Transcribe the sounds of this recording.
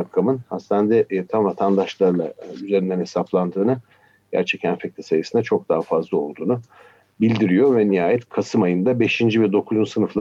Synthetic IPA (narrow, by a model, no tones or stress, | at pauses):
akʰːamɯnhast̪and̪ɛʔt̪ʰamvat̪ʰand̪aʃlˠaɾlˠa̰yze̞ɾind̪ɛnhesaplˠand̪ɯːnɯ | ɟ̥æ̰ɾt͡ʃʰɛcʰænfɛc̚t̪ʰʲi̥sajɯsɯnd̪at͡ʃʰo̞k̚d̪aɦafazlˠao̞̰lˠd̪uːnu | bilʲd̪iɾijo̞vɛnijaːjɛt̪kʰasɯmajɯnd̪abe̞ʃind͡ʒivɛd̪o̞kʰuzunsɯnɯflˠa